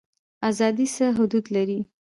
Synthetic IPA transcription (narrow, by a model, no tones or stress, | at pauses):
azɑd̪isəɦʊd̪ud̪laɾi